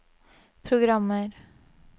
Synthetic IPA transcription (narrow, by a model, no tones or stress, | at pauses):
pʰɾʊɡɾamːəɾ